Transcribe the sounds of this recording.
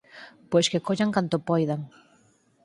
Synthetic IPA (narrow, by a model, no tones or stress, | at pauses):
pojskekoʎaŋkant̪opojðaŋ